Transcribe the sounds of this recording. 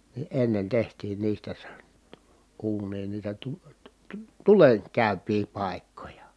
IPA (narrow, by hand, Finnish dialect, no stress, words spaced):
ni enːen tehtiːn niːstæ se uːnˑiːn niːtæ tu tu̥ tu̥ tulen kæˑypˑiː pɑˑi̯kːojɑ